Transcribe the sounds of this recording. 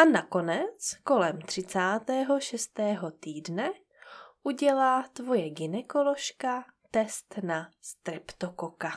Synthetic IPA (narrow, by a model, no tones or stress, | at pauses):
ʔanako̞nɛt͡sko̞lɛmt̪r̝̥ɪt͡saːt̪ɛːɦo̞ʃɛst̪ɛːɦo̞t̪iːdnɛ | ʔuɟɛlaːt̪vo̞jɛɡɪnɛkolo̞ʃkat̪ɛst̪nast̪ɾɛpt̪okoka